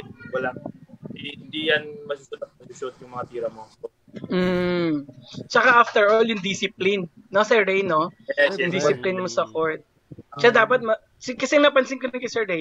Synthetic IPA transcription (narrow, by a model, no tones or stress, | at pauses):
wɐlaŋ | ɪnd̪ijɐnmɐsusʊt̪̚ɐk̚mɐsusʊt̪̚jʊŋmɐŋapiːɾɐmo | mm̩ː | t͡ʃɐkaʔaft̪ɛɹʔoljʊŋd̪isɪplɪnː | osɛɹdejno̞ʊŋd̪isɪplɪnmosɐkoɹt̪̚ | ʃad̪aːpɐt̪̚mɐ | sɪkɐsɛɐŋnɐpɐnsɪŋkɐnɐnkɐjsɛɹdɛj